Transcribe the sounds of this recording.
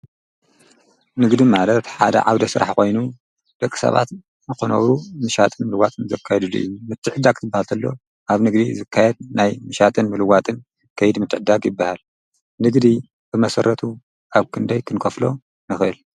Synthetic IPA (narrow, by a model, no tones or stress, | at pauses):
nɨɡd̪imalɐt̪ħad̪ɐ̰ʕawd̪ɐsɨɾa̰ħko̞jnu | d̪̥ɐkʼːɨ̥sɐ̰βa̰t̪ | zɨxonɐ̰wumɨʃat̪ʼɨnmɨlɨwat̪ʼɨnzɐ̰kʰːajɛd̪ɨlṵʔḭjːmɨt̪ʰːɨʕɨd̪ːaɡt̪ʰɨbːahalt̪ʰɐlːo̞̰ | ʔaβnɨɡd̪izɨkʰːajɛd̪̚najmɨʃat̪ʼɨnmɨlɨwat̪ʼɨn | kʰɐjɨd̪mɨt̪ːɨʕɨd̪aɡjɪbːahal | nɨɡd̪i | bɨmɐsɐɾɐt̪ʰu | ʔaβkʰɨnd̪ɐjkʰɨnkʰɐflo̞ | nɨxʔɨl